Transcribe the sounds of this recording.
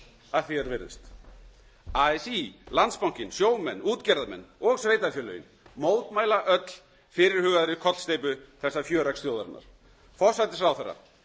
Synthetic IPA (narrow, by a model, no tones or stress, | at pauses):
aðθiɛɾvɪɾðɪ̰st̪ | aɛsilant̪spawŋ̥cɪnsjoːwmɛnːuːt̪cɛɾðamɛ̰nːɔɣsveːjt̪afjœːlœ̰ːjɪn | moːwt̪maːjlaʔœt̪l̥ | fɪɾɪɾ̥hʏːɣaðɾɪkʰɔt̪lst̪eːjpʏθɛsːafjœːɾakst̪joːwðaɾnːa̰ɾ̥ | fɔsat̪ɪsɾawθɛrːa̰